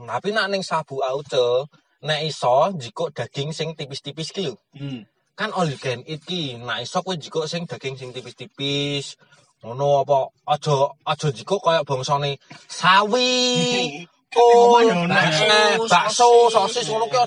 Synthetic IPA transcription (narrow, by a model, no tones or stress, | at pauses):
t̪apinaʔnɪŋsab̥ṳaut͡ʃə | nɛʔisɔnd͡ʒikoʔd̪̥ä̤ɡ̥ɪ̤ŋsɪŋt̪ipɪst̪ipɪskiu | kanoliɡ̥ɛnit̪̚kinaʔisɔkuwind͡ʒi̤koʔsɪŋd̪̥ä̤ɡ̥ɪŋsɪŋt̪ipɪst̪ipɪs | ŋonoɔpɔːd̥ʒ̥ɔ̤ɔd̥ʒ̥ɔ̤nd͡ʒi̤koʔkɔjɔʔb̥ɔ̤ŋsɔnesawi | konɛnɛb̥aʔsosɔsɪsŋonoke